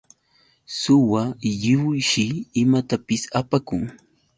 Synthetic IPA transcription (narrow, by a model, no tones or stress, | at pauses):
sʊwajɪwʊjʃɪːmat̪apɪsapakʊŋ